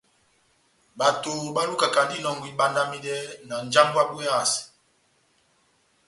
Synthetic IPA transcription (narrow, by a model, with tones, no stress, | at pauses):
ba˨to˨ba˦lu˦ka˨ka˨di˦nɔ˨ŋɡwi˦ɓa˦nda˦mi˦dɛ˦na˨n˦d͡ʒa˦ŋɡwa˦bu˦a˦˨s